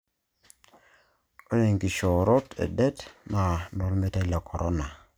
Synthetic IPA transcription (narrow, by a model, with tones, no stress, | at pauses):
o˦ne˨ŋɡi˨ʃo˨ɾo˦tḛ˨dɛ˦tna˨nɔ˨ɾme˦ta˦la˨kʰo˨ɾʔo˦na˨